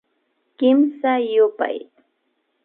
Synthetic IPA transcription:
kɪmsajʊpa̰j

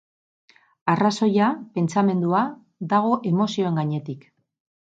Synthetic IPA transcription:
araso̞jape̞nt͡same̞nd̪ua | d̪aɣ̞o̞ʔe̞mo̞sio̞e̞ŋɡaɲe̞t̪ik

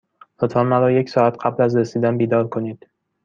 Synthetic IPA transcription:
lot̪fammæɾɒːje̞kʲsɒːat̪̚qʰablæzɾesid̪anbid̪ɒɾkʰonid̪̥

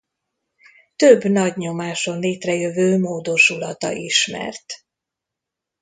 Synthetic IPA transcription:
t̪øbnɒɟɲo̞maːʃo̞nleːt̪rɛjøvøːmoːd̪o̞ʃulɒt̪ɒ̰ʔiʃmɛ̰rt̪

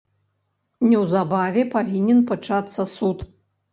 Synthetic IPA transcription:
nʲɛwzabavʲɛpavʲinʲɛnpat͡ʂat̪sːɐsut̪

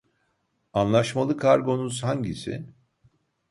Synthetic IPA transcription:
anlˠaʃmalˠɯkʰaɾɡo̞nuz̥haɲɟisḭn

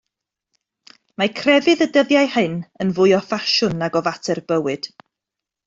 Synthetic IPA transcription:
makʰrɛvɨðədəðjajhɨnənvʊɨɔfaʃʊnaɡɔvatʰɛrbəwɨd̥

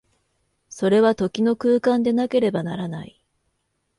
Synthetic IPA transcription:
so̞ɾe̞βat̪o̞kʲino̞kɯ̟ːkãnd̪e̞nake̞ɾe̞banaɾanai

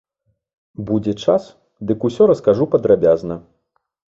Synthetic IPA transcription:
bud͡zʲɛt͡ʂas | d̪ɨkusʲɔɾɐskaʐupɐd̪ɾabʲaznɐ

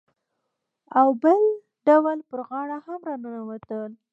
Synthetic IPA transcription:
awbəl | ɖawalpəɾɣɑɽahamɾɑnənawat̪əl

